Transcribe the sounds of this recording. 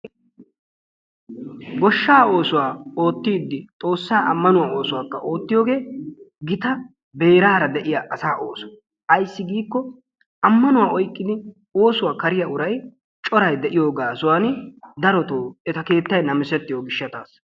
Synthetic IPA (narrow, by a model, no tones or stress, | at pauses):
ɡɔʃːaːo̞ːsʊwaːo̞ːt̪ːiːd̪ːɪt̪ʼo̞ːsːaːɐ̰mːɐnʊwaːo̞ːsʊwaːkːɐʔo̞ːt̪ːɪjoːɡe̞ːɡɪt̪ɐ | be̞ːɾaːɾɐd̪ɛʔɪjaːʔɐsaːʔoːsʊ̥ | ʔɐjsːɪɡiːkːɔ | ɐmːɐnʊwaːɔjkʼːɪd̪ɪ | o̞ːsʊwaːkɐɾɪjɐʊɾɐj | t͡ʃʼɔɾɐjd̪ɛʔɪjo̞ːɡaːsʊwaːnd̪ɐɾɔt̪oːɛt̪ɐke̞ːt̪ːɐjnɐmɪsɛt̪ːɪjoːɡɪʃːɐt̪aːs